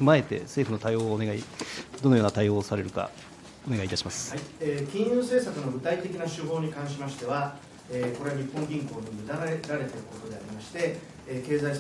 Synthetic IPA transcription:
ɸɯmae̞t̪e̞̰se̞ːɸɯ̟no̞t̪aioːneaid̪onojoːnat̪aio̞ːsaɾe̞ɾɯ̟ka̰ | one̞ɡaiːt̪aɕimasɨ̥haieːkʲĩɰ̃jɯːse̞ːsakɯ̟no̞ɡɯ̟t̪ait̪e̞kʲinaɕɨɦo̞ːɲ̟ikãɰ̃ɕimaɕi̥t̪e̞βa | eːko̞ɾe̞aɲipːõ̞ŋɡʲĩŋko̞ːɲʲimɯ̟d̪aɾaɾe̞t̪e̞ɾɯ̟ko̞t̪o̞d̪e̞aɾʲimaɕi̥t̪e̞ | ke̞ːzais

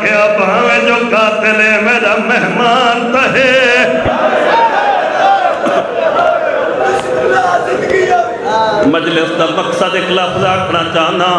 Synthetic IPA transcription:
kʰeabãːʋẽːd͡ʒoːkaːt̪ɪlemẽːɾaːmeɦmaːnt̪aɦeː | məd͡ʒlɪsd̪aːməksad̪ɪklaːfzaːkʰnaːt͡ʃaːɦə̃nd̪aː

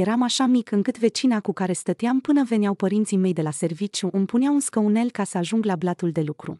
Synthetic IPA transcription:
jeɾamaʃamikɨŋkɨt̪ve̞t͡ʃinakukaɾe̞st̪ət̪eampɨnəve̞neawpəɾint̪sime̞jd̪e̞lase̞rvit͡ʃjuʔɨmpuneaunskəune̞lkasəaʒuŋɡlablat̪uld̪e̞lukɾṵ

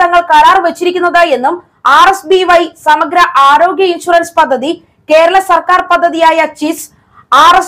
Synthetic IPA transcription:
ɐŋːɐɭkɐɾaːrʋet͡ɕːiɾikʲːunːɐðaje̞nːum | aːresbiʋɐjsɐmɐɡɾɐʔaːɾo̞ːɡjɐinɕurɐnspɐd̪ʱːɐði | ke̞ːɾɐɭɐsɐrkaːrpɐd̪ʱːɐðijaːjɐt͡ɕis | aːres

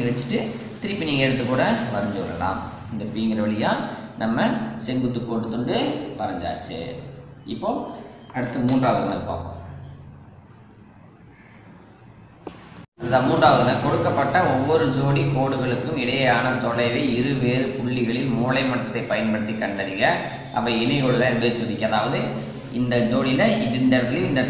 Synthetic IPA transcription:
ɣɐɭt͡ʃːɪ̥ʈːɯ | t̪ɪɾɪpːɪniŋɐeːɽɯt̪ːɯkːuːɽɐʋɐɾɐɲd͡ʒɯʋɐlɐ̰la̰ːm | ɪnd̪ɐpːiːŋɡɪɾɐʋɐɭɪjaːnɐmːɐsɛŋɡɯt̪ːɯkːoːɽɯt̪ɔɳɖɯʋɐɾɐɲd͡ʒa̰ːt͡ʃːḛɪpːoːɐɽɯt̪ːɐmuːndraːʋɐɯɾɐnɐlpa̰ːko̰m | ɐðɯðaːmuːndraːʋɐðɯɐnɐlkɔɽɯkːɐpːɐʈːɐɔʋːɔɾɯd͡ʒoːɽikoːɽɯɣɐɭɯkːɯmɪɽɐjɐjaːnɐt̪ɔlɐɪʋɐɪɪɾɯʋeːɾɯpʊɭːɪɣɐɭɪlmuːlɐɪmɐʈːɐt̪ːɐɪpːɐjɐnpɐɽɯt̪ːikːɐɳɖɐðɪɣɐ | ʔɐpːɐɪnɪɣɔɭɯlɐɛɾɯbeɐt͡ʃoːðɪkʲːɐɐðaːʋɐðɯ | ɪnd̪ɐd͡ʒoːɽɪlɐɪɖɪɳɖɐɾtlɪɪnd̪ɐ

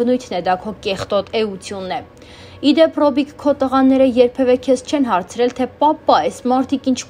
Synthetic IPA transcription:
ənujt̪ʰnɛd̪ɑkʰɔkɛχt̪ɔt̪ɛut͡sʰjunːɛ | id̪ɛpʰrɔbikkʰːɔt̪əʁɑnːɛɾəjɛɾpʰɛvɛkʰɛst͡ʃʰɛnɦɑɾt͡sʰɾɛlt̪ʰɛpɑpːɑɛsmɑɾt̪ʰikint͡ʃʰ

